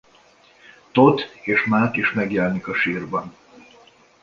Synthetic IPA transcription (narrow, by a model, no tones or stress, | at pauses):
t̪ot̪eːʃmaːt̪eːʃmɛɡjɛlɛnikɒʃiːrbɒn